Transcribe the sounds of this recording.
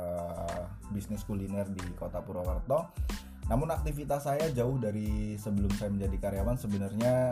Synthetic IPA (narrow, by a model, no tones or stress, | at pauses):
ə | bisnɪskulinɛrdikot̪apuɾowərt̪ɔ | namʊnak̚t̪ifit̪asajad͡ʒaʊhdaɾisəbəlʊmsajaməɲd͡ʒadikaɾjawansəbənərɲa